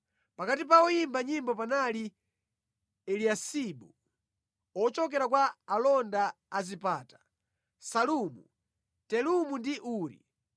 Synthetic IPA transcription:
pakatip̬aɔjimbaɲimbɔpanali | ɛliasibu | ɔt͡ʃɔk̬ɛɾakwaːlɔnda | azipaːtḁ | salumṵ | tɛlumundiʔuːɾḭ

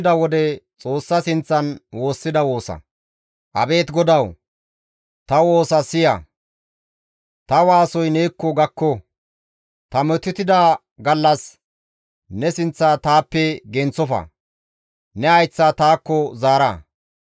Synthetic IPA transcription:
d̪ɐwɔd̪ɛt͡sʼo̞ːsːɐsɪnt͡sːɐnwo̞ːsːɪd̪ɐwo̞ːsɐ̰ | ʔɐ̰be̞ːt̪ɡɔd̪ɐw | t̪ɐwo̞ːsɐsɪjɐ̰ | t̪ɐwaːsɔjneːkːɔɡɐkːɔ | t̪ɐmɔt̪ːɪt̪ɪd̪a | ɡɐlːɐs | nɛsɪnt͡sːaːt̪aːpːɛɡɛnt͡sːɔfɐ̰ | nɛɐjt͡sːat̪aːkːɔzaːɾɐ

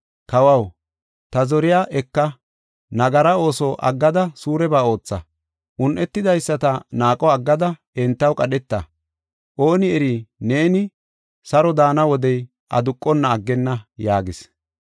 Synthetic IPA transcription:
kɐwɐw | t̪ɐzɔɾɪjaːʔɛkːɐ | nɐɡɐɾɐo̞ːsɔʔɐ̰ɡːɐd̪ɐsuːɾɛbaːo̞ːt͡sːɐ | ʔʊnʔɛt̪ːɪd̪ɐjsːɐt̪ɐnaːkʼɔɐɡːɐd̪ɐ | ɛnt̪ːɐwkʼɐɗɛt̪ːɐ | ʔo̞ːnɪɛɾine̞ːnɪ | sɐɾɔd̪aːnɐwɔd̪ɛj | ʔɐ̰d̪ʊkʼːɔnːɐːɡːɛnːɐjaːɡɪs

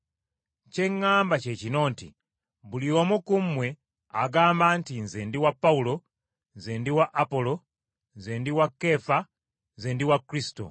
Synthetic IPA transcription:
ce̞ŋːaːmbace̞cino̞ːntḭ | βuliwomukumwe̞ | aɡaːmbantinzeːndiwapːawulo̞ | nzeːndiwaʔapo̞lo | nzeːndiwakːe̞fa | nzendiwakɾisi̥to̞̰

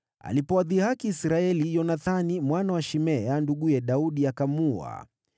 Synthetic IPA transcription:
a̰lipɔwaðihakiːsɾaɛlijɔnaθanimwanawaʃimɛanduɠujɛɗauɗiakamua̰

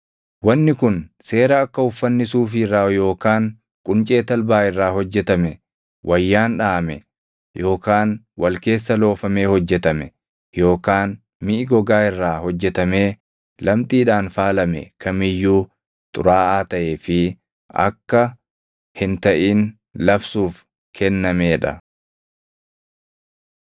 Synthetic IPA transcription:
wɐnːɪkʊnse̞ːɾɐɐkːɐʊfːɐnːɪsuːfɪrːaːjo̞ːkaːŋ | kʼʊnt͡ʃʼe̞ːt̪ɐlbaːɪrːaːhɔd͡ʒːɛt̪ɐmɛ | wʔɐjːaːnᶑaːmɛ̰ | jo̞ːkaːn | wɐlke̞ːsːɐlo̞ːfɐme̞ːhɔd͡ʒːɛt̪ɐmɛ | jo̞ːkaːn | mɪʔɪɡɔɡaːɪrːaːhɔd͡ʒːɛt̪ɐme̞ː | lɐmt̪ʼiːᶑaːnfaːlɐmɛ̰kʰɐmɪjːuː | t̪ʼʊ̰ɾaːaːt̪ɐʔeːfɪ | ɐ̰kːɐ | hɪnt̪ɐʔiːn | lɐbsuːf | kʰɛnːɐmeːᶑɐ̰

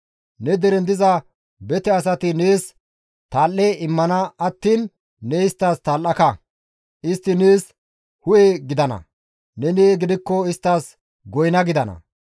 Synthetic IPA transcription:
nɛd̪ɛɾɛnd̪ɪzɐ | bɛt̪ɛɐsɐt̪ɪneːs | t̪aːlːɛɪmːɐnɐɐt̪ːiːnː | ɛɪst̪ːaːst̪aːlːɐkɐ | ʔɪst̪ːɪneːs | hʊjeɡɪd̪ɐnɐ̰ | nɛneːɡɪd̪ɪkːɔɪst̪ːaːs | ɡɔjnɐɡɪd̪ɐnɐ̰

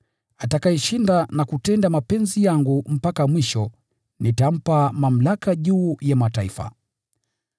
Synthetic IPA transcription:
atakaɛʃindanakutɛndamapɛnzijaŋɡum̩pakamwiʃɔ | nitam̩pamam̩lakaʄuːjamataifa̰

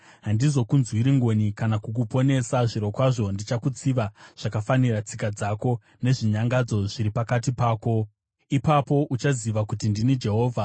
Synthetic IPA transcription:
ɦandizo̞kunzwiɾiŋɡo̞nikanakuk̬upo̞ne̞saʐiɾo̞kwaʐo̞ndit͡ʃakut͡siʋaʐ̥akafanirat͡sikad͡zako̞ | ne̞ʐiɲaŋɡad͡zo̞ʐiɾipakatipaːko̞ | ipapo̞ʔut͡ʃaziʋakutindinid͡ʒe̞ɦo̞ːvʱa

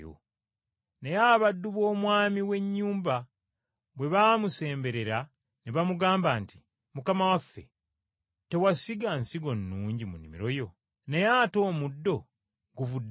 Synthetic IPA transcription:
o̰ | ne̞jaβadːuβo̞ːmwaːmiwe̞ɲːuːmba | βwe̞βamuse̞ːmbe̞ɾe̞ɾa | neβamuɡaːmbanti̥ | mukamawafːḛ | te̞wasiɡansiɡo̞nːuːɲɟimunḭmḭɾo̞jo̞ | nejaːto̞ːmudːo̞ | ɡuvudː

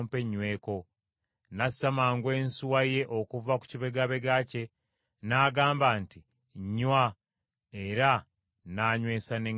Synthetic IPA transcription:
mpe̞ɲːwe̞ːko̞ | nasamaːŋɡwe̞ːnsuwaje̞ʔokuvaku̥ciβe̞ɡaβe̞ɡace̞ | naːɡaːmbanti | ɲːwa | e̞ɾa | naɲwe̞ːsane

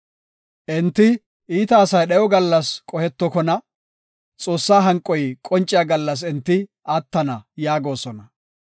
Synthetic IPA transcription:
ʔɛnt̪ːɪ | ʔiːt̪ɐːsɐjɗɛjɔɡɐlːɐskʼɔhɛt̪ːɔkɔnɐ | t͡sʼo̞ːsːaːɦɐŋkʼːɔjkʼɔnt͡ʃʼɪjaɡɐlːɐs̬ɪnt̪ːɪʔaːt̪ːɐnɐjaːɡo̞ːsɔnɐ

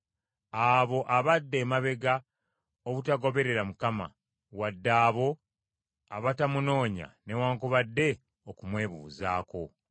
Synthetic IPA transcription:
aβo̞ʔaβadːe̞ːmaβe̞ɡa | oβutaɡo̞βe̞ɾe̞ɾamukama̰ | wadːaːβo̞ | aβatamuno̞ːɲa̰ne̞waːŋkoβadːe̞ | okumwe̞ːβuːza̰ːko̞̰

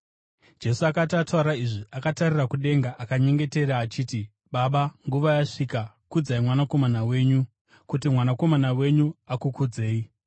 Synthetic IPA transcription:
d͡ʒe̞suakatatauɾaiʐiʔakatarirakuɗe̞ŋɡaʔakaɲe̞ŋɡe̞te̞ɾaːt͡ʃiːti | ɓaɓaŋɡuʋajaʂika | kud͡zaimwanako̞manawe̞ːɲu | kut̬imwanako̞manawe̞ɲuakukud͡ze̞ːi

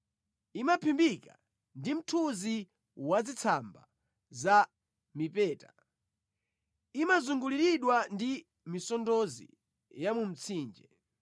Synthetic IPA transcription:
imapʰimbika̰ | ndim̩tʰuzi | wad͡zit͡sʰamba̰ | za | mipɛːta | imazuŋɡuliɾiɗwandi | misɔndɔzḭ | jamum̩t͡sʰiːnd͡ʒɛ

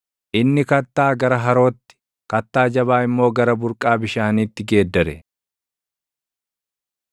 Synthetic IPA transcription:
ʔɪnːɪkɐt̪ːaːɡɐɾɐɦɐɾo̞ːt̪ːɪ̥ | kɐt̪ːaːd͡ʒɐbaːɪmːo̞ːɡɐɾɐbʊɾkʼaːbɪʃaːniːt̪ːɪɡe̞ːd̪ːɐɾɛ

